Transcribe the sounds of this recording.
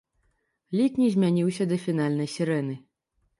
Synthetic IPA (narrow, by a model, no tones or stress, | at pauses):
lʲiknʲizʲmʲanʲiwsʲɐd̪ɐfʲin̪alʲnɐjsʲiɾɛnɨ